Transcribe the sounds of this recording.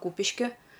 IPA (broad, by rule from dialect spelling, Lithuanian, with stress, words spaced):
ˈkuːpʲɪʃʲkʲɪ